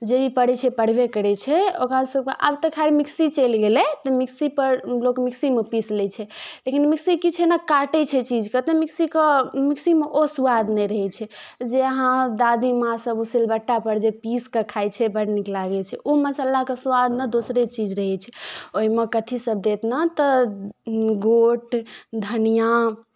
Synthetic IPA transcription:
d͡ʒebipəɽɛt͡ʃʰɛpəɽ̤bekəɾɛt͡ʃʰɛokɾasəb̚keʔa̰bt̪əkʰaeɾmiksit͡ʃɛlɡelɛt̪ɔmiksipəɾlokmiksimepislɛt͡ʃʰɛlekinmiksikit͡ʃʰɛnakaʈɛt͡ʃʰɛt͡ʃid͡ʒkət̪ɛmiksikəmiksimeʔosuad̪nɛɾəɦɛt͡ʃʰɛd͡ʒeəɦãd̪ad̪ʱimãsəbusilbəʈːapəɾd͡ʒepiskekʰajt͡ʃʰɛbəɽniklaɡɛt͡ʃʰɛʔoməsəlakesuad̪ned̪osɾet͡ʃid͡ʒɾəɦɛt͡ʃʰɛoɦimekət̪ʰisəb̚d̪et̪nat̪ɔ | ɡoʈd̪ʱənijã

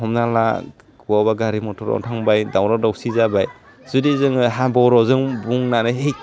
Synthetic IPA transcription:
ɦɔmnala̰ | ɡuwabaɡaɾimɔtʰɔɾɔ̰ntʰaŋbajdawɾɔdawsizabaj | zudizɯŋɯɦabɔɾɔzɯŋbuŋnaɾɯɦej

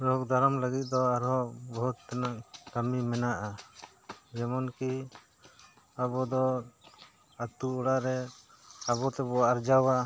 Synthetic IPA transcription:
ɾɔkd̪ʱaɾɔmləɡit̪̚ˀd̪ɔaɾɦɔbɔɦut̪̚ːanaʔkamimɛnaʔa | d͡ʒɛmɔnki | abɔd̪ɔ | at̪uɔɽaʔɾɛ | abɔt̪ɛbɔaʔaɾd͡ʒawa

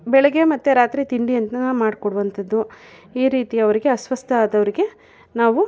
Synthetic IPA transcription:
bɛɭɛɡe̞mɐt̪ːuɾaːt̪ɾit̪iɳɖiɐnt̪ɐnɐmaːɖkoɽuʋɐnt̪ʰɐd̪ːu | iːɾiːt̪ijɐʋɐɾiɡe̞ɐsʋɐst̪ʰɐaːd̪ɐʋɐɾiɡe̞ | naːʋu

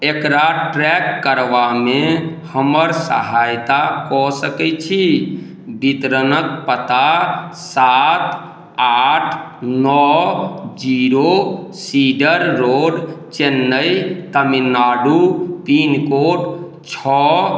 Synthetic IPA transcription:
ekɾaʈɾɛkːəɾʋamehəməɾsə̰ɦajt̪akɔsəkɛt͡ʃʰi | bit̪ɾənək̚pət̪asat̪ | aʈʰnɔ | d͡ʒiɾosiɖəɾːoɖt͡ʃenːəjt̪əminːaɖut̪inkoʈ | t͡ʃʰɔ

